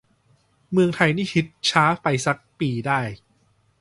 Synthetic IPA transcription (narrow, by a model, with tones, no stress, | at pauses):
mɯ˧əŋt̪ʰa˧jniː˥˩pʰi˦˥t̪̚t͡ɕʰaː˦˥pa˧jsa˦˥k̚piː˧daː˥˩j